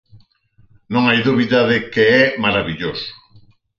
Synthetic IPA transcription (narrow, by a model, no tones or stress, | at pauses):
nõŋajðuβiðaðekeɛmaɾaβiʎoso̥